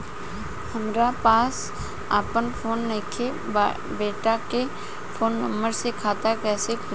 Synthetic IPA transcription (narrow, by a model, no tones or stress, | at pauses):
hɐmɾapaːs | a̰ːpənfʰoːnːekʰe | beːʈake | fʰoːnːəmbəɾsekʰaːt̪akɛːsekʰɪ